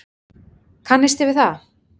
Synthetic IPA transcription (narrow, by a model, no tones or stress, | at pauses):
kʰanːɪst̪ɪvɪðθa